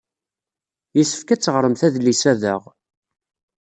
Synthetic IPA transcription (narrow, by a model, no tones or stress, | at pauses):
jisə̥fkæt͡sːəʁɾˤəmθæðlisæðə̰ʁ